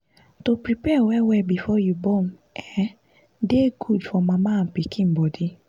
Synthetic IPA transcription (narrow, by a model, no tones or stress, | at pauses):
topɾipɛwɛwɛbifɔjubɔm̩ | ɛ | deɡudfɔmãmãːm̩pikĩbɔdi